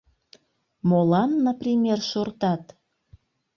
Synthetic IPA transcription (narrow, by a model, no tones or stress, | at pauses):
molɑnːɑprimʲerʃort̪ɑt̪